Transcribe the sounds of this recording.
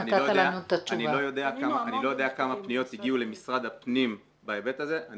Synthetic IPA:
nitaojoaaanut̪at͡ʃaunillo̞jo̞d̪e̞akaaːnilo̞jo̞d̪eakamapnijo̞t̪iɡiule̞misʁad̪apnim | baebet̪aze̞ʔa

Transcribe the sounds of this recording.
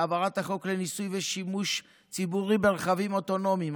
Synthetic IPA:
avaʁathaχo̞klenisujve̞ʃimuʃ | t͡sibuʁibeʁeχavimo̞t̪o̞no̞mim

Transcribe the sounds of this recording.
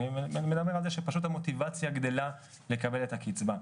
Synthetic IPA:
imed̪abe̞ʁalzeʃepaʃut̬amo̞t̪ivat͡sjaɡd̪e̞la | le̞kabe̞le̞thakit͡sba

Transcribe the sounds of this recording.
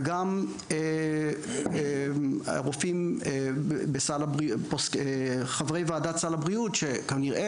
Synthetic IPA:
ɡam | e | ʁofimebesalabʁiposeχavʁejveaːdatsalabʁiutʃekaʁniʁʔe

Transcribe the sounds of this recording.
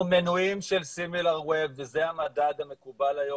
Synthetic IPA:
menuimʃelsimilaʁwebvezehamad̪adame̞kubalajo

